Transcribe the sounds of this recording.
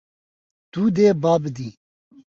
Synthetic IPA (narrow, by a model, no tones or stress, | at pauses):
t̪uːd̪ebaːbd̪iː